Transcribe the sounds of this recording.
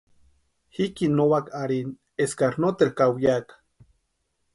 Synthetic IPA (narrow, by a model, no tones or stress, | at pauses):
hikinowakaɾin | eskaɾnot̪ehkawjakḁ